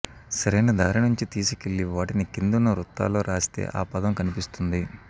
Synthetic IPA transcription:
sɐɾejnɐd̪aːɾinuɲt͡ʃit̪iːsukeɭːiʋaːʈinikind̪unːɐɾut̪ːa̰ːlo̞ːɾʔaːst̪ḛːʔaːpɐd̪ɐmkɐnipist̪und̪i

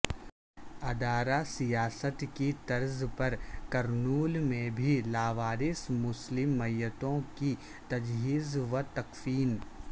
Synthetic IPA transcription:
ɐd̪aːɾasijaːsət̪kit̪ɐɾzpɐɾkɐɾnuːlmẽbʱilaːʋaːɾɪsmʊslɪmːɐjət̪õki | t̪ɐd͡ʒɦiːzʋɐt̪ɐkfiːn

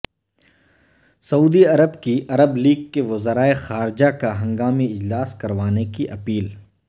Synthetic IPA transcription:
sɐuːd̪iɐɾəbkiʔɐɾəbliːɡkeʋɐzəɾaːexaːɾɪd͡ʒakaɦɐ̃ŋɡaːmiɪd͡ʒlaːskɐɾʋaːnekiʔɐpiːl

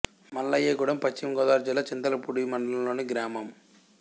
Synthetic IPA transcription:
mɐlːɐjeːɡuɽɐmpɐt͡ʃːimɐɡɔːd̪aːɾd͡ʒilːɐt͡ʃind̪ɐlɐpuɽimɐɳɖɐlɐmlo̞ːniɡɾaːmɐm

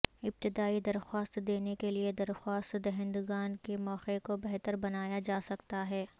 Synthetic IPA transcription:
ɪb̚t̪ɪd̪aːid̪ɐɾxaːst̪d̪eːnekelied̪ɐɾxaːst̪d̪ɐɦɪ̃nd̪uɡaːnkemɔːqekobɛɦt̪əɾbɐnaːjad͡ʒaːsɐkt̪aɦɛː

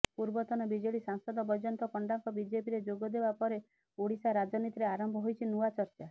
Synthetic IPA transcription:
puɾbɔt̪ɔnɔbid͡ʒɔɭisaŋsɔd̪ɔbɔd͡ʒɔnt̪ɔkɔɳɖaŋkɔbid͡ʒepiɾed͡ʒoɡɔd̪ebapɔɾe | oɽisaɾad͡ʒɔnit̪iɾeaɾɔmbʱɔɦojt͡ʃʰinuwat͡ʃɔɾt͡ʃa

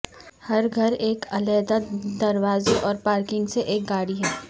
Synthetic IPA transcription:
hɐɾɡʱɐɾeːkɐlɛːd̪ad̪ɐɾʋaːzeʔɔːɾpaːɾkɪ̃ŋɡseʔeːk̚ɡaːɽiɦɛː

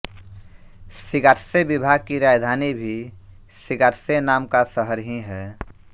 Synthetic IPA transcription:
sɪɡaːɾsebɪbʱaːɡ̚kiɾaːd͡ʒd̪ʱaːnibʱi | sɪɡaːɾsenaːmkasəɦəɾɦĩɦɛː

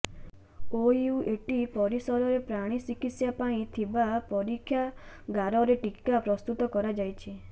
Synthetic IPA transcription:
ouʔeʈipɔɾisɔɾɔɾepɾaɽ̃isikit̪sjapaĩt̪ʰibapɔɾikʰːjaɡaɾɔɾeʈikapɾɔst̪ut̪ɔkɔɾad͡ʒajt͡ʃʰi

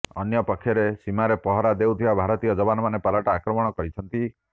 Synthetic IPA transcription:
ɔnjɔpɔkʰːjɔɾesimaɾepɔɦɔɾad̪ewt̪ʰibabʱaɾɔt̪ijɔd͡ʒɔbanɔmanepalaʈaakɾɔmɔɽ̃ɔkɔɾit͡ʃʰɔnt̪i

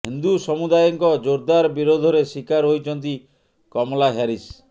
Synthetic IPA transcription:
ɦind̪usɔmud̪ajɔŋkɔd͡ʒoɾd̪aɾbiɾod̪ʱɔɾesikaɾɦojt͡ʃʰɔnt̪̬i | kɔmɔlaɦaɾis

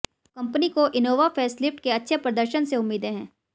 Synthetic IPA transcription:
kɐ̃mpnikoʔɪnoːʋafʰɛːslɪfʈkeɐtːʃʰepɾɐd̪əɾʃənseʊmːiːd̪ẽɦɛ̃ː

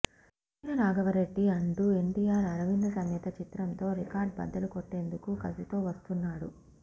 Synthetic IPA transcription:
siːnɐnaːɡɐʋɐɾeɖːiɐɳʈue̞ɳʈijaːɾɐɾɐʋinːɐsɐŋjɐt̪ɐt͡ʃit̪ɾɐnt̪o̞ːɾikaːɾɖ̚bɐ̰d̪ɐlukoʈːe̞ːnd̪ukukɐ̰sit̪o̞ːʋɐst̪unːaːɽu

